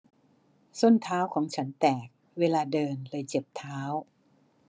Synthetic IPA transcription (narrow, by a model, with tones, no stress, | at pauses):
so˥˩nt̪ʰaː˦˥wkʰɔː˩˦ŋt͡ɕʰa˦˥nt̪ɛː˨˩k̚ | weː˧laː˧dɤː˧nlɤː˧jt͡ɕe˨˩p̚t̪ʰaː˦˥w